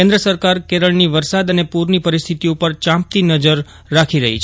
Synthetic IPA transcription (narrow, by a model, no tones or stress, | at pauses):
ẽnd̪ɾəsəɾkaɾkeɾəɭniʋəɾsad̪ənepuɾnipəɾist̪ʰit̪iupəɾt͡ʃãmp̚t̪inəd͡ʒəɾː | akʰiɾəɦḭt͡ʃʰ